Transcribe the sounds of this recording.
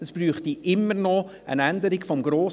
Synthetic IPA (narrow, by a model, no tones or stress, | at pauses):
əsb̥ryːχtiʔɪmːəɾnɔ | ə̰nænd̪əɾɪkfɔmɡɾoːs